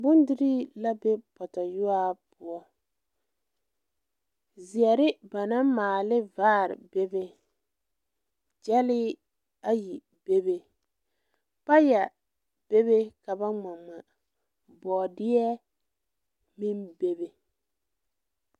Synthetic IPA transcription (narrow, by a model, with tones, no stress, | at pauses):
bʊ˦ndɪ˦ɾi˦la˦be˦pɔ˨ta˨jʊ˦a˦pʊ˦ɔ˦ | zi˨ɛ˨ɾɪ˦ba˨na˦maː˨lɪ˦vaː˦˨ɾɪ̰˨be˦be˦ | d͡ʒɛ˦lɪ˦ | a˦ji˨ | be˦be˦ | pa˦ja˨ | b̥e˦be˦ka˨ba˦ŋ͡ma˨ŋ͡ma˨ | bɔː˨dɪ˦ɛ˦ | mi˦mbe˦be˨